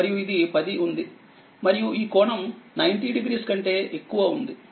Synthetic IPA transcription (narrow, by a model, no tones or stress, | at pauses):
ɐɾijuid̪ipɐd̪iʔund̪i | mɐɾijuiːkɔːɳɐmnɐjnʈiɖiɡɾiːskɐɳʈe̞ːʔekːuʋɐund̪i